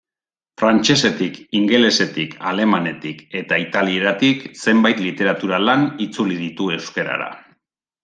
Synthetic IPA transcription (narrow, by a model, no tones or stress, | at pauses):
fɾant͡ʃe̞se̞t̪ikiŋɡe̞le̞se̞t̪ikʰale̞mane̞t̪ike̞t̪ait̪alie̞ɾat̪ikse̞mbajt̪lit̪e̞ɾat̪uɾalanit͡suliðit̪ue̞wske̞ɾa̰ɾa̰